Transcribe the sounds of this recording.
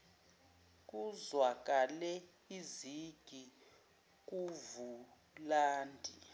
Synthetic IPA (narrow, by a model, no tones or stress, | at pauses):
k̬ʼuzwak̬ʼalɛ | iziɡ̥ʱi | k̬ʼuvu | laːndʱi